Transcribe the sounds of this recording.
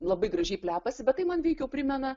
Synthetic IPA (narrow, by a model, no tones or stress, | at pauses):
lˠɐbɐɪɡɾɐʒʲɛɪpʲlʲæːpɐsʲɪbʲɛt̪ɐɪmɐnʋʲɛɪkʲɛʊpʲɾʲɪmʲɛnɐ